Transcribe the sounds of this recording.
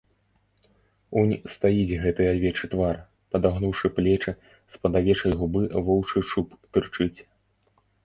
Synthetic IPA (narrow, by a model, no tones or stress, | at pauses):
unʲst̪ajid͡zʲɣɛt̪ɨavʲɛt͡ʂɨt̪var | pɐd̪aɣnuwʂɨplʲɛt͡ʂɨ | spɐd̪avʲɛt͡ʂɐjɣubɨvɔwt͡ʂɨʂupt̪ɨrt͡ʂɨt͡sʲ